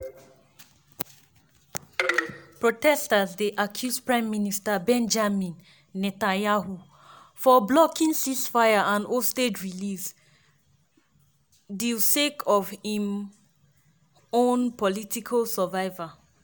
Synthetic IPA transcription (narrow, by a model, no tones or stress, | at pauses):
pɹotɛstəzdeʔakʰjuspɹãɪ̃mːinistəbɛ̃nd͡ʒamĩnː | ɛtãjahu | fɔblɔkĩnsisfaɪjaʔãnostedɹilis | dilsekʰɔv̥hĩm | õnpɔlitikʰəlsəvaɪva